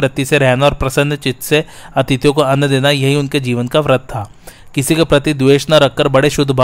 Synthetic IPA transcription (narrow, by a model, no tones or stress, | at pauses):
ɾɐt̪iseɾɛɦnaɔːɾpɾɐsə̃nd̪t͡ʃɪt̪se | ɐt̪ɪt̪jõkoɐnːd̪eːnajɐɦiʊnked͡ʒiːʋənkaʋɾɐt̪̚ʰːtʰːaː | kɪsikopɾɐt̪id̪ʋeːʃnaɾɐkːəɾbɐɽeʃʊd̪ʱbʱa